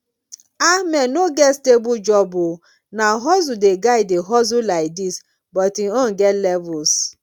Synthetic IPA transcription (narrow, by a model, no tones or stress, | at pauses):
amɛnoɡɛstebʊd͡ʒɔbʊ | naɦɔzʊdeɡaɪdeɦɔzʊlaɪk̚dis | bɔtiɔn̩ɡɛtlɛvʊs